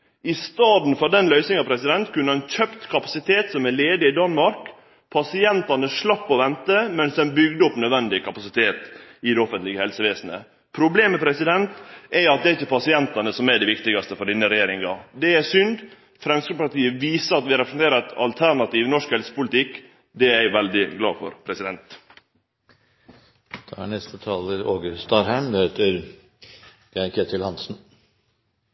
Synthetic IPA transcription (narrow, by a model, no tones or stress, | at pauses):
ɪst̪ɑːd̪n̩fɔɖɛnlœʏsnɪŋɑʋpʰɾɛsɪd̪ɛnt̪kʰʉnːəɾɛnc͡çœpt̪kʰɑpɑsɪt̪ʰeːt̪sɔmæɭeːd̪ɪɪd̪ɑnmɑɾk | pʰɑsɪɛnt̪ɑnəʂɭɑpːɔʋɛnt̪əmɛnsd̪ɛnbʏɡd̪əɔpnœd̪ʋɛnd̪ɪkʰɑpɑsɪt̪ʰeːt̪ɪd̪ɛɔfənt̪lɪɡəhɛlsəʋeːsnə̰ | pʰɾʊbleːmːɛpʰɾɛsɪd̪ɛnt̪ʔɛɾɑt̪̚d̪ɛɾɪçːəpʰɑsɪɛnt̪ɑnəsɔmæɖɛʋɪkt̪ɪɡɑst̪əfɔɖɪnːəɾɛjeːɾɪŋɑ̰d̪ɛæsʏnd̪ | fɾɛmskɾ̩əpɑʈ̪iːəʋiːsəɾɑt̪ʋɪɾɛpɾəsnt̪eːɾəɛt̪ɑlt̪ʰæɾɳɑt̪iːʋnɔʂkhɛlsə̥pʊlɪt̪ɪkː | d̪ɛæɪʋɛld̪ɪɡlɑ̰ːfɔ̰ɾpʰɾɛsɪd̪ɛnt̪ | d̪̥ɑhæ̰ɳnɛst̪ət̪ʰɑːləɾoːɡəɾst̪ɑɾhæɪmd̪heːt̪əɾ | ɡ̥ækʰeːt̪ʰɪlhɑnsn̩